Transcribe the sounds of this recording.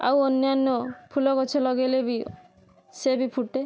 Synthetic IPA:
a̰wɔnːjanːɔpʰulɔkɔt͡ʃʰɔlɔɡelebi | sebipʰuʈe

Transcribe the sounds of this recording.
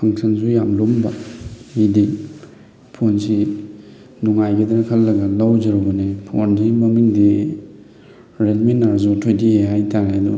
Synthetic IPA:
pʰaŋsʰɐnzujamlombamidi | pʰonsi | nuŋajɡedɐɾɐkʰɐlːɐɡɐlawd͡ʒɐɾoɡɐnepʰo̰nzimɐmiŋdi | ɾelmenaɾzutʰojdieɦajtaɾajdu

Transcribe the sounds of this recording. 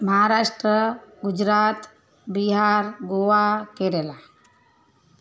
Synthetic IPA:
məɦaɾaʃʈɾəɡud͡ʒɾat̪ | biɦaɾɡowakeɾela

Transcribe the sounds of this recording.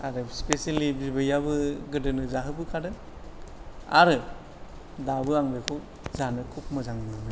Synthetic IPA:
aɾɯspesalibibɯjabɯɡɯdɯnɯzaɦɯbɯkʰadɯn | a̰ɾɯ | dabɯaŋbekʰɔk̚ | zanɯkʰuk̚mɯzaŋnɯamɯ

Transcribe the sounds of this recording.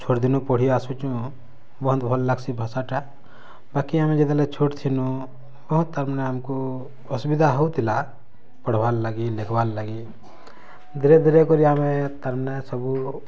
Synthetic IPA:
t͡ʃʰoʈd̪inũpɔɽ̤ijasut͡ʃũ | bɔɦʊnt̪bʱɔlːləksibʱəsaʈa | baːkiamẽd͡ʒed̪alɛt͡ʃʰoʈt̪ʰinu | bəɦut̪ːəɾmnɛamku | ʊsbid̪ʱaɦout̪ila | pəɽ̤baːlːəɡilekʰbaːllaɡi | d̪iɾed̪iɾekoɾiamet̪əɾmnɛsəbu

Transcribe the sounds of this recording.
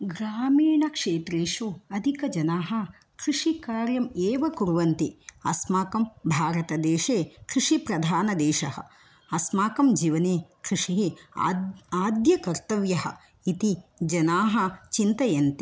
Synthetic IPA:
ɡɾaːmiːɳɐkʂeːt̪ɾeːʃuɐd̪ʱikɐd͡ʒɐnaːɦɐ̆ | kɾiʂikaːɾjɐmeːʋɐkuɾʋɐnt̪iɐsmaːkɐmbʱaːɾɐt̪ɐd̪eːʃeːkɾiʂipɾɐd̪ʱaːnɐd̪eːʃɐhɐ̰ | ɐsmaːkɐmd͡ʒiːʋɐneːkɾiʂiɦi | aːd̪jɐkɐɾt̪ɐʋjɐɦɐ̰̆ | it̪id͡ʒɐnaːɦɐt͡ʃint̪ɐjɐnt̪i

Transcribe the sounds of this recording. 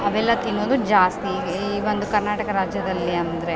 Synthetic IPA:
ɐʋɛlːɐt̪inːoːd̪ud͡ʒaːst̪i | iːʋond̪ukɐɾnaːʈɐkɐɾaːd͡ʒjɐd̪ɐlːiɐnd̪ɐɾe̞

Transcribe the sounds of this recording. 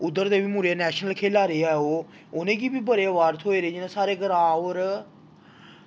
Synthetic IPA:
ʊd̪ːəɾd̪eːʋiːmuːɾeːnɛːʃnəlkʰeːlaːɾeːɛoː | ʊnẽːkiːbiːbəɾeːʋaːɾt̪ʰoːeːɾeːd͡ʒɪnãːsaːɾeːɡəɾaːoːɾ

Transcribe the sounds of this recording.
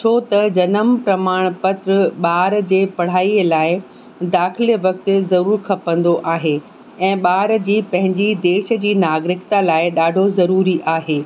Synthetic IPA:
t͡ɕʰoːt̪ɐd͡ʑɐnəmpɾɐmaːɽ̃pɐt̪ɾəɓaːɾd͡ʑeːpɐɽ̤aːiəlaːɪ | d̪aːxɪləʋɐkt̪ɪ̆zɐɾuːɾkʰɐpə̃nd̪oʔaːɦeː | ɛ̃ːɓaːɾd͡ʑiːpɐ̃ɦɪ̃ɲd͡ʑid̪eːʃə̆d͡ʑiːnaːɡɾɪkt̪alaːɪɗaːɖʱozɐɾuːɾiʔaːɦeː

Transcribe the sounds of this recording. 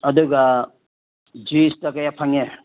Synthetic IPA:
ɐduɡɐ | d͡ʒistɐkɐjapʰaŋe

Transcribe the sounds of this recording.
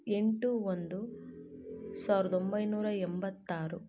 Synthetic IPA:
e̞ɳʈuond̪u | saːʋɾɐd̪ombɐjnuːɾɐembɐt̪ːaːɾu

